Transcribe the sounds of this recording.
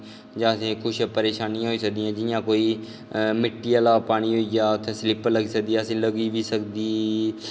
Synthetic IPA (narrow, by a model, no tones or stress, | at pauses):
d͡ʒãːəsẽːkʊʃpəɾeːʃaːnijãːɦoiːsək̚d̪ijãːd͡ʒɪjãːkoːiː | mɪʈːiːəlaːpaːɽ̃iːɦoːiːɡaːt̪ʰẽːslɪpələɡiːsək̚d̪iːaːəsĩːləɡiːʋiːsəkd̪iː